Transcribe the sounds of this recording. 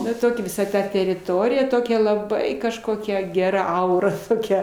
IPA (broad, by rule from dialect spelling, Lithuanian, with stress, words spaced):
ˈnɐ ˈtoːkʲɛ ʋʲɪˈsɐ ˈtɐ tʲɛrʲɪˈtoːrʲɪjɛ ˈtoːkʲɛ lˠɐˈbɐɪ kɐʃˈkoːkʲɛ ɡʲɛˈrɐ ˈɐʊrɐ toːˈkʲɛ